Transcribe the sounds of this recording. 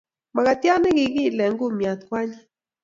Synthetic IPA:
ma˨ka˨t̪ja˦nɪ˦ɡɪ˨ɡɪ˦˨lɛ˨ŋɡʊ˦mja˨t̪kwa˦ɲ˦

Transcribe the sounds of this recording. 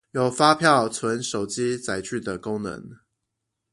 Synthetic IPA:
jo˨˩ʊfa˦pʰjɑ˥˨ʊt͡sʰwə˧˦nʂo˨˩ʊt͡ɕi˦t͡sa˧˥ɪt͡ɕy˥˨˩d̪ə˩ko˥ŋnə̰˧˥ŋ

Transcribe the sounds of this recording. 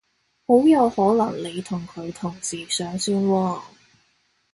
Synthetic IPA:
ho˨˥wjɐ˨˧whɔː˨˥lɐ˨˩ŋle˨˧jt̪ʰʊ˨˩ŋkʰɵ˨˧ɥt̪ʰʊ˨˩ŋt͡siː˨˩sœː˨˥ŋsiː˥nwɔː˧

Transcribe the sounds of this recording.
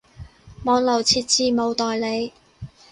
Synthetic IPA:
mɔː˨˧nlɐ˨˩wt͡sʰiː˧t̚t͡siː˨˧mo˨˧wt̪ɔː˨jle˨˧j

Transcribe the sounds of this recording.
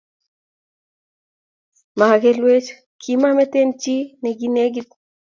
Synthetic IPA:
ma˨ɡe˨˦lwe˦t͡ʃ | kʰi˦ma˦mɛ˦te˦nt͡ʃi˦nɛ˨ɡi˦ne˦ɡi˦t̚

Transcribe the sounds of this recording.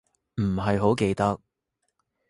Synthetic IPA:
m̩˨˩ɦɐ˨jɦo˨˥wke˧jt̪ɐ˥k̚

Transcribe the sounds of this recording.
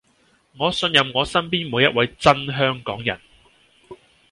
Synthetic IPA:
ŋɔː˨˧sɵ˧njɐ˨mŋɔː˨˧sɐ˥mpiː˥nmuː˨˧jɐ˥t̚wɐ˨˧jt͡sɐ˥nɦœː˥ŋkɔː˨˥ŋjɐ˨˩n

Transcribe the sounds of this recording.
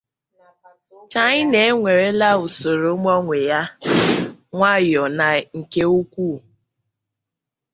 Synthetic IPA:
t͡ʃa˦ɲɪ˦ne˨˦ŋʷe˨ɾe˦la˦u˨so˨ɾo˨˦mɔ˦ŋʷe˨ja˦ | ŋʷa˦jɔ˨na˨ŋ̩˨ke˦u˦kʷu˦˨

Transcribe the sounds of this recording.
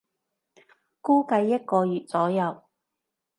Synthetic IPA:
kuː˥kɐ˧jːɐ˥t̚kɔː˧jyː˨˩t̚t͡sɔː˨˥jɐ˨˧w

